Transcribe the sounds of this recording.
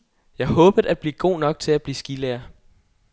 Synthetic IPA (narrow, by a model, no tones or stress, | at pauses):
jɑ̈ɪhɔ̽ːb̥ð̩ˠæd̥̚b̥lḭːɡ̥o̝̰ːnɒ̽ɡ̥̚t͡sʰe̝læb̥liːsɡ̥ileːɐ